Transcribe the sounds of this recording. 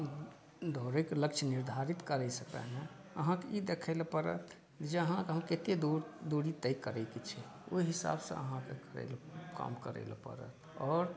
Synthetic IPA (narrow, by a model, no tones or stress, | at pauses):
d̪ʱoɾekləkt͡ʃʰniɾd̪ʱaɾit̪kəɾɛsəkɛ̰ɦɛ̃ | əɦãkeid̪ekʰəlpəɾə̰t̪ʰ | d͡ʒeəɦãkeɦəmket̪ed̪od̪oɽit̪əjkəɾɛket͡ʃʰɛ | o̰iɦisa̰bsə̰̃ə̰ɦãkekəɾɛ̰lka̰mkəɾɛ̰ɪlpə̰ɾə̰t̪ʰɔːɾ